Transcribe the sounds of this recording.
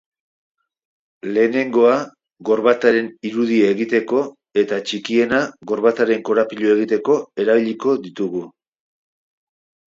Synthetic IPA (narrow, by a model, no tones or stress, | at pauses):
le̞ːne̞ŋɡo̞a | ɣo̞ɾβat̪aɾe̞niɾuðiaeɣit̪e̞ko̞ | e̞t̪at͡ʃikie̞naɣo̞ɾβat̪aɾe̞ŋko̞ɾapiʎue̞ɣ̞it̪e̞ko̞e̞ɾaβiʎiko̞ðit̪uɣu